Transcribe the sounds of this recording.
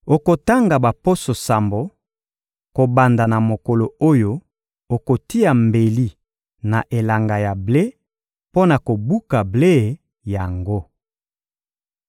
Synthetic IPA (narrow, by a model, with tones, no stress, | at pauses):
o˨ko˨ta˦ŋɡa˨ba˨po˦so˨sa˨mbo˨ | ko˨ba˨nda˨na˨mo˨ko˨lo˨o˦jo˦ | o˨ko˨ti˦ja˨mbe˨li˦ | na˨ʔe˨la˨ŋɡa˨ja˨ble˦ | po˦na˨ko˨bu˦ka˨ble˦˨ | ja˨ŋɡo˦